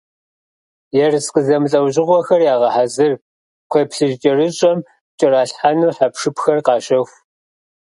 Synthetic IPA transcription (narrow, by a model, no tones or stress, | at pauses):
jɛrsqəzɐmɨɬʼɐwʑɪʁʷɔxɐrjaːʁɐħazɨr | qʷʰeːpɬɨʒt͡ʃʼɪrɨɕʼɔm | t͡ʃʼɪraːɬħanuːħapʂɨpxɐrqɑːɕʼɐxʷ